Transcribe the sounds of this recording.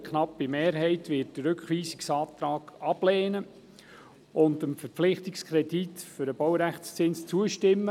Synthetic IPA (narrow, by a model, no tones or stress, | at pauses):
kχnɑpːimeːɾɦɛɪtvɪːtd̥əɾɵkχʋiːsɪ̥ksɑːt̪ɾɑːɡ̥ɑb̥leːnə | ʊndəmfəɾp͡flɪχtɪkskʰɾɛditfʏɾəb̥ɔwɾæχst͡sɪnst͡suəʃtɪmːə